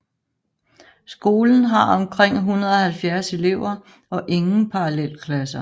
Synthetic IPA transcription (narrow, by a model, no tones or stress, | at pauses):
sɡ̥o̝ːln̩ɦɑ̈ɒ̽mkʰʁeŋ̰ɦunɐð̞̩ˠɒ̽hælfjæɐse̝le̝ʊ̰ɐ | ɒ̽ʔe̝ŋn̩pʰɑ̈ɑlel̰kʰlæsɐ